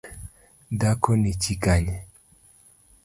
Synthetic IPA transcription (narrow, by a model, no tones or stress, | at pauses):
dakɔnit͡ʃikaɲɛ